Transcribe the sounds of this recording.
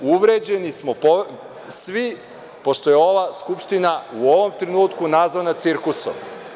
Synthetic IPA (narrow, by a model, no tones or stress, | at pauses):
uʋɾed͡ʑe̞nismopo | sʋi | po̞ʃt̪o̞je̞o̞ʋaskupʃt̪inauo̞ʋo̞mt̪ɾenuːt̪kunazʋanat̪siɾkuso̰m